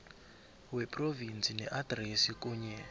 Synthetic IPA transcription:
wɛpʼrovint͡sʰʼinɛʔadresikʼuːɲɛ

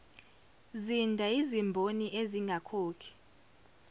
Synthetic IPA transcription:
zindʱaizimbʱoniʔeziŋɡʱakʰoːkʰi̥

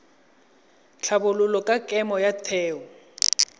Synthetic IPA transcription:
t͡ɬʰabʊlʊlɔkʼakʼɛmɔjatʰɛːɔ

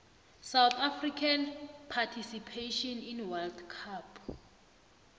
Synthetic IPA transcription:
sawθafrikʰanpʰatʰisipʰeʃɔninwɛldkʰapʰ

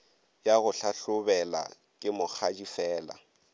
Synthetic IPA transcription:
jaɣʊɬaɬʊbɛla̰ | kʼɪmʊk͡xʰad͡ʒifɛːla̰

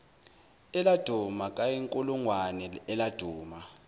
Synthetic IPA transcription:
ɛlad̥ʱumakʼajeŋkʼuluŋwanɛɛlad̥ʱuːma

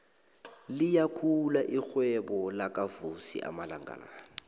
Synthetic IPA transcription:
lijakʰulaʔik͡xwɛbɔlakʼavusḭʔa̰malaŋɡa̰la̰ːnɔ

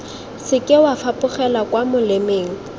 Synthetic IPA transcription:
sɪkʼɪwafapʼʊχɛlakwamʊlɪmeːŋ̩

